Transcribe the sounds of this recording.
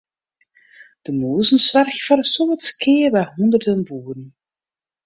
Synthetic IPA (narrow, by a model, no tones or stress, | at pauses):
d̥əmoːzənsʋɛrxfɛrsɔmətskɪːrbɛɦɔnd̪ərdənbuːɾən